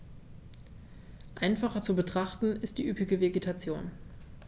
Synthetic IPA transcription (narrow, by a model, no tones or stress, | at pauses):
ʔaɪnfaχɐt͡subətʁ̥aχtn̩ɪst̚d̥iːʔypɪɡəveɡetʰat͡sjo̰ːn